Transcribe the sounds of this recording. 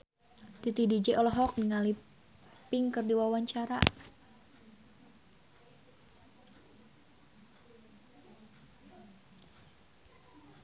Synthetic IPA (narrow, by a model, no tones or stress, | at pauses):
t̪it̪idid͡ʒɛʔɔlɔɦɔk̚niŋali | pɪŋkɨrdiwawaɲt͡ʃaɾa̰